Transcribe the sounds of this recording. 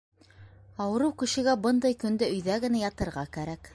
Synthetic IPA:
ɑwɤ̆ɾɤwkɵ̆ʃɘ̆ɡæbɤnd̪ɑjkɵ̆nd̪ɘɵ̆jðæɡɘ̆næjɑt̪ɤ̆ɾʁɑkæɾæk

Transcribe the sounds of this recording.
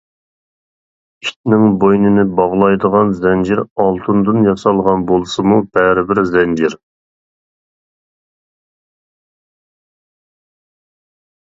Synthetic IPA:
i̥t̪nɪŋbojnɪnɪbɑʁlˠɑjd̪əʁɑnzɛnd͡ʒiɾɑlˠt̪ʰɨnd̪ɨnjɑsɑlˠʁɑnbolˠsɨmub̥ɛɾɪbɪɾzɛnd͡ʒiɾ

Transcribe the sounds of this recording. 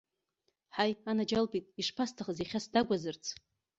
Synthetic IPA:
ħajanad͡ʒalbʼitʼiʂpʰastʰaχəziχʲasdaɡʷazɨrt͡sʰ

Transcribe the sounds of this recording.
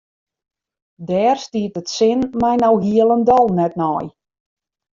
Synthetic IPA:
dɛːrstiətətsɪnmajnɔwɦiəlˠəndɔlˠnɛtnɔj

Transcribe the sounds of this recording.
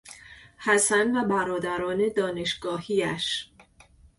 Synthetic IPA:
hæsænvæbæɾɒːd̪æɾɒːne̞d̪ɒːne̞ʃɡɒːhiæʃ

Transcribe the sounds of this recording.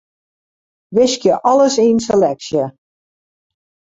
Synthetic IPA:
ʋɪskjəʔɑləsinselɛksjə

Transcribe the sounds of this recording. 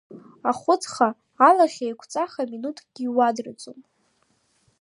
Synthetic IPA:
aχʷʊt͡sχaː | laχʲajkʷʰt͡sʼaχaminutʰɡ̥ʲiiwadrat͡sʼon

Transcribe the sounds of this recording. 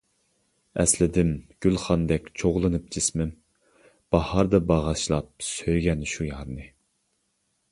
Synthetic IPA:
ɛ̰slɪd̪ɪmɡ̥ʲylˠχɑnd̪ɛkʲt͡ʃʰoʁlˠɨnɨp̚t͡ʃʰismɪm | b̥ɑhɑɾd̪ɑbɑʁɑʃlˠɑp̚søjɡʲɛnʃujɑɾnɨ

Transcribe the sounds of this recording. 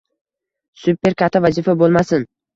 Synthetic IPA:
sʊpe̞ɾkʰʲat̪ʰːaɒvazifabolˠmasɪn

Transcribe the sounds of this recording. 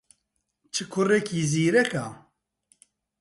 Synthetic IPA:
t͡ʃʰɨkʰʊrɛkʰiːziːɾɛka

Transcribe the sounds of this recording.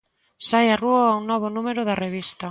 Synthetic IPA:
sajaruoaunːoβ̞onume̞ɾoðareβ̞ist̪a

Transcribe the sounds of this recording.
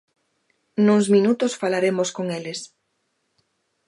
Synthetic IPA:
nuŋzmĩnut̪osfalaɾemoskoŋeles

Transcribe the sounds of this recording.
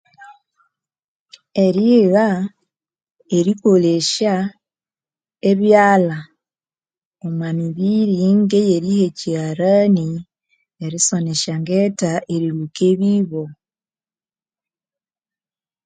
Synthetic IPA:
e̞ɾiɣa | eɾiko̞le̞ʃa | eβjaːla | omwamiβiɾiŋɡe̞jeɾiheciaɾani | eɾiso̞ne̞ʃaŋɡetaʔeɾiɾukeβiβo̞

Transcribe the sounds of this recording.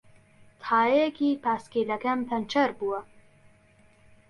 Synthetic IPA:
t̪ʰaːjejkiːpʰaːskelɐkɐmpʰɐnt͡ʃʰɐɾbuːɐ

